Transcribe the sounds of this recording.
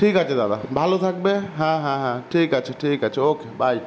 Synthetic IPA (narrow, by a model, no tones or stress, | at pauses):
ʈʰikat͡ʃʰed̪ad̪abʱalot̪ʰak̚bɛɦãɦãɦãʈʰikat͡ʃʰɛʈʰikat͡ʃʰɛokebaj